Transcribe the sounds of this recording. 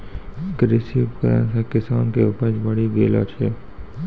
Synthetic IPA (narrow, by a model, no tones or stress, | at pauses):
ɡɾɪsipkəɾã̰nsekɪsaːnkeʊpəd͡ʒbəɽiɡeːla̰ːt͡ʃʰeː